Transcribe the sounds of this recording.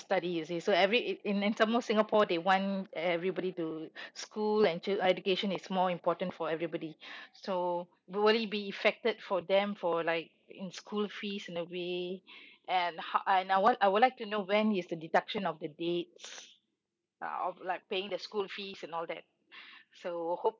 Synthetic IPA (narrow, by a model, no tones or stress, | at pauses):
stadiɪsisoɛvɹiĩnĩnsãmɔfsɪ̃ŋəpʰɔdewɔ̃nɛvɹibɔɾituskʰulɛ̃nt͡ʃɛd͡ʒukeʃə̃nɪsmɔĩmpɔtə̃ntfɔɛvɹibɔdiso | wilibiifɛk̚tədfɔdɛ̃mfɔlaɪk̚ | ḭ̃nskʰulfisĩnəwe | ʔɛ̃nhaʔɛ̃nawaɪwʊdlaɪk̚tunowɛ̃nɪsdədidakʃə̃nɔfdədets | ʔʌ̰ɔ̰flaɪk̚peɪ̃ŋdəskulfisɛ̃nɔldɛ̰t̚ | sohop̚